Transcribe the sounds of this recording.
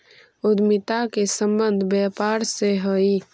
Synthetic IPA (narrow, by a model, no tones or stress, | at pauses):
ʊd̪mɪt̪akesə̃mbənd̪ʱbjɛpaːɾseɦəi